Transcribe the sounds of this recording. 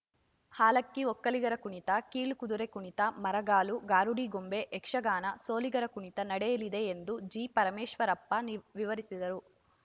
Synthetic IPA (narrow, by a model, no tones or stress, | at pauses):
haːlɐkːiokːɐliɡɐɾɐkuɳit̪ɐkiːɭukud̪uɾekuɳit̪ɐmɐɾɐɡaːluɡaːɾuɽiɡombe̞ʔːkʂɐɡaːnɐso̞ːliɡɐɾɐkuɳit̪ɐnɐɽɛjɐlid̪e̞ːnd̪ud͡ʒiːpɐɾɐmeːʂʋɐɾɐpːɐnʋiʋɐɾisid̪ɐɾu